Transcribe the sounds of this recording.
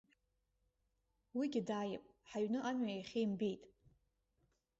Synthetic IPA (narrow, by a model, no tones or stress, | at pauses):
wiɡʲɪdaːjɪ̰pʼ | ħaɥnɨʔanɥajaχʲejmbejtʼ